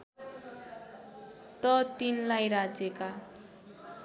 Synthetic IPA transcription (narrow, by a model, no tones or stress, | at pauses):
t̪ʌt̪inlajɾad͡zjeka